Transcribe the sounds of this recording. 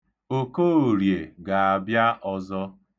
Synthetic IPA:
o˨ko˦˨ɾje˨ɡa˨a˨bja˦ʔɔ˦zɔ˦

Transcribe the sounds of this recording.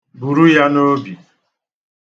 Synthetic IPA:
bu˨ɾu˦ja˦no˦bi˨

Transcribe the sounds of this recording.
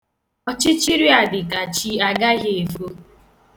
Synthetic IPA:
ɔ˦t͡ʃɪ˦t͡ʃi˦ɾi˦a˨dɪ˨ka˨t͡ʃi˦a˦ɡa˦ɣe˨e˨fo˦

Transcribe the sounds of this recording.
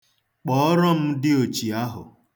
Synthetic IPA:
k͡pɔ˨˦ɾɔ˦m̩˦dɪ˦o˨t͡ʃi˨a˦ɦʊ̰˨

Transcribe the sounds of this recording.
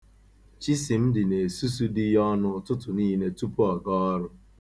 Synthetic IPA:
t͡ʃi˦si˨m̩˦dɪ˨ne˨su˦su˦di˦ɦɔ˦nʊ˦tʊ˦tʊ˨niː˦ne˦tu˦pu˦ɔ˨ɡɔ˦ɔ˦ɾʊ˦

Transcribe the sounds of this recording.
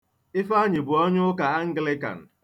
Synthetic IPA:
ɪ˦fa˦ɲɪ˨bʊ˨ɔ˦ɲʊ˦ka˨a˦ŋ̩˦ɡlɪ˦ka̰˨n̩˨

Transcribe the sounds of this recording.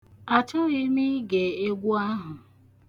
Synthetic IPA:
a˨t͡ʃʊ˦ɣi˦mi˦ɡe˨e˦ɡʷu˦a˦ɦʊ˨

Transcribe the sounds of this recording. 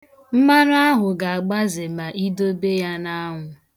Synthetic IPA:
m̩˦ma˦ɾa˦ɦʊ˨ɡa˨a˨ɡ͡ba˦zɪ˨ma˨ʔi˦do˦be˦ja˦na˦ɦʷʊ˨

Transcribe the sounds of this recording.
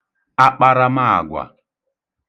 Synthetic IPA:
a˦k͡pa˦ɾa˦ma˦a̰˨ɡʷa̰˨

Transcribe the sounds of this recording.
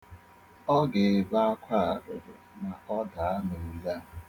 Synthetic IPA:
ɔ˦ɡe˨ba˦a˦kʷʰa˦˨ɾʊ˨ɾʊ̰˨ | na˨ɔ˦da˨a˦no˨ja˦˨

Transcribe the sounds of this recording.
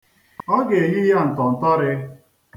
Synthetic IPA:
ɔ˦ɡe˨ɣi˦ja˦˨n̩˨tɔ˨n̩˨tɔ˦ɾɪ˦

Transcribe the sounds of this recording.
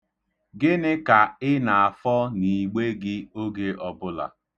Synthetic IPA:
ɡɪ˦nɪ˦ka˨ɪ˦na˨a˨fɔ˦ni˨ɡ͡be˦ɡɪ˦o˦ɡe˦ʔɔ˨bʊ˦la̰˨

